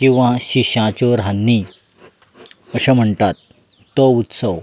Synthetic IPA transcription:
kĩw̃ʋãɕiɕãt͡ɕoɾɦanːi | əɕəm̤əɳt̪at̪ː | ɔut̪səw

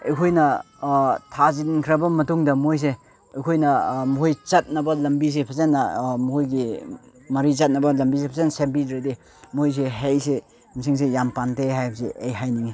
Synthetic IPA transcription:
ḛjkʰojnɐ | tʰazidnkʰɾɐbɐmɐtuŋdɐmojs̬e | ɐkʰojnɐmuɦojt͡ʃɐt̚nɐbɐlɐmbis̬epʰɐzenːɐmuɦojɡi | mɐɾit͡ʃɐt̚nɐbɐlɐmbisepʰɐzensemp̬idɾade | mojs̬eɦejse | misiŋs̬ejampanteɦajbɐsḛejɦajniŋi

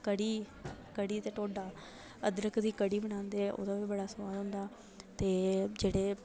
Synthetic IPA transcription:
kəɽiː | kəɽiːt̪eːʈoːɖaː | əd̪ɾəkʰd̪iːkəɽiːbəɽãːnd̪eːɛʔo̰ːd̪aːʋiːbəɽaːsəaːd̪ɦʊ̃ːnd̪aː | t̪eːd͡ʒeːɽeː

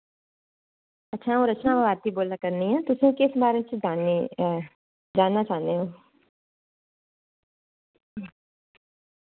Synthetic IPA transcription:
ətːʃʰaːɦõːɾət͡ʃnãːʋãːʋaːɾt̪iːboːlnaːkəɾniːɛ̃ːt̪ʊsũːkɪsbaːɾẽt͡ʃd͡ʒaːni | d͡ʒaːnːaːt͡ʃaːnd̪eɦoː

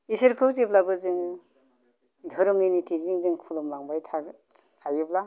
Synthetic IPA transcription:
isɯɾkʰɯwziplabɯzɯŋ | dʱɯɾɯminitʰiziŋzɯŋkʰulɔmlaŋbajtʰa | tʰajɯpla

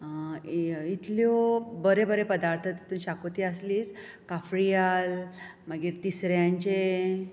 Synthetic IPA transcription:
it̪ljɔbəɾebəɾepəd̪aɾt̪ʰət̪i̥t̪uːnɕakot̪iəsliːs | kafɾijal | məɡiːɾt̪isɾjãɲt͡ɕe

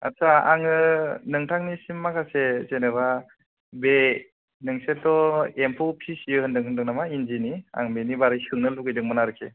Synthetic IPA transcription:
a̰saa̰ŋɯnɯŋtʰaŋnisimːakʰasezeneβa | be | nɯŋsetɔempʰopʰisjɯhɯndɯŋɦɯndɯŋnamainzinia̰ŋbenibaɾɯjsɯŋnɯluɡɯjdɯŋmɯnaɾɯkʰe

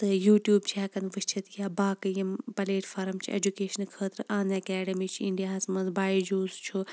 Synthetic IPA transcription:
t̪ɨjuːʈjuːbt͡ʃʰaːkɐnʋɨt͡ʃʰɐt̪jaːbaːkɨjɐmpɐleːʈfɐɾɐmt͡ʃʰḭḛd͡ʒukeːʃɐnkʰəːt̪ɾɨʔãːnɐkɛːɖɐmit͡ʃʰiiɳɖijaːsmɐnzbaːid͡ʒoːzt͡ʃʰu

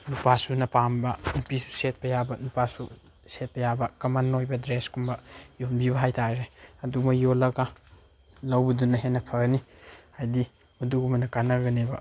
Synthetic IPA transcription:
nupasunɐpambɐnupisu̥set̚pɐjabɐnupasu | set̚pʰɐjabɐkɐmanːojbɐdɾeskumbɐjonbiβɐɦajtaɾeɐdumɐjolɐɡa | lɐwbɐdunɐɦenɐpʰɐɡnihajdi | mɐduɡumɐnɐkanɐɡɐnebɐ

